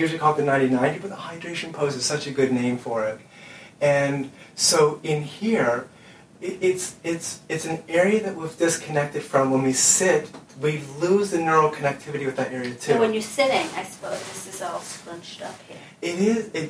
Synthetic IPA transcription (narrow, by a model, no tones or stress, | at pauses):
jɪɹzɨkʰɔl̚ˠɨnãɪ̃ntinãɪ̃ntibʌðəhaɪdɹeɪʃɨ̃n̩pʰoʊsɨz̥sʌt͡ʃɨɡʊdⁿnẽɪ̃ɱfə˞ɪɾ | ɨ̃nsoʊɪ̃nhiɹ | ɪɪtsɪtsɨtsn̩ɛɹiɨðɨʔ̚wivdɪskʰɨnɛk̚tɨd̥fɹʌ̃mwə̃nwisɪt̚wiluzðɨnɜ˞l̩ˠkʰɨnɨk̚tʰɪvɨɾiwɨðɨɾɛɹiɨtʰʉwə̃njə˞sɪɾɪ̃ŋaɪsə̥pʰoʊzðɪsɨzɔlˠskɹʌ̃nt͡ʃtʌ̰p̚hḭɹ | ɪɾɪzɪt